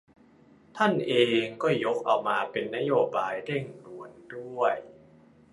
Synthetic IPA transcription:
t̪ʰa˥˩nʔeː˧ŋkɔː˥˩jo˦˥k̚ʔa˧wmaː˧pe˧nːa˦˥joː˧baː˧jɾe˥˩ŋɾu˨˩əndu˥˩əj

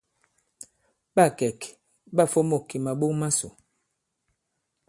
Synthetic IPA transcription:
ɓa˦˨kɛ˨k | ɓa˦˨fo˦mo˦˨kːi˨ma˨ɓo˦ŋma˦sṵ˨

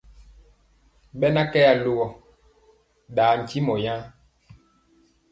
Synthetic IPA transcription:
ɓɛ˦na˦kɛ˦ja˨lo˦ɣɔ˨ | ɗaː˨˦n̩˨ci˦mɔ˨jã˦

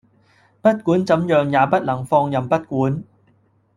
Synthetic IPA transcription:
pɐ˥t̚kuː˨˥nt͡sɐ˨˥mjœː˨ŋjaː˨˧pɐ˥t̚lɐ˨˩ŋfɔː˧ŋjɐ˨mpɐ˥t̚kuː˨˥n

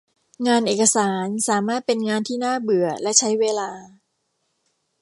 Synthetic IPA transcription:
ŋaː˧nʔeː˨˩ka˧saː˩˦nsaː˩˦maː˥˩t̪̚pe˧nŋaː˧nt̪ʰiː˥˩naː˥˩bɯ˨˩ɐlɛ˦˥ʔt͡ɕʰa˦˥jweː˧laː˧

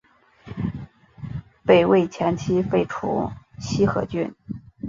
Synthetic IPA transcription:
pe˥˩ɪwe˥˩ɪt͡ɕʰjɛ˧˥nt͡ɕʰi˥fe˥˩ɪʈ͡ʂʰṵ˧˥ɕi˥xɤ̰˧˥t͡ɕy˥˩n

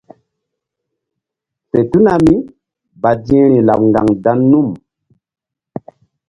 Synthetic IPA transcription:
te˨tu˦na˨mi˦ | ba˨di˦ɛ̃˦ɾi˨la˨p̚ŋɡa˨ŋda˦nːu˦˨m

